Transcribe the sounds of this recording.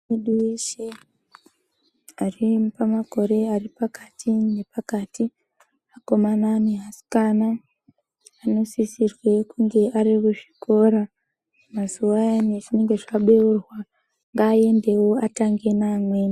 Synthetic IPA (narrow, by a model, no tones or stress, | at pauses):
eɗuwiʃe | aripamako̞ɾe̞aripakatʰinepakati | ako̞mananeɦasi̥kanaː | no̞sisirwe̞kuŋɡe̞ʔaɾekuʐi̥ko̞ɾa | mazuwajaneʐine̞ŋɡe̞ʐaɓeurwa | ŋɡaːje̞nde̞wo̞ataŋɡe̞naːmwen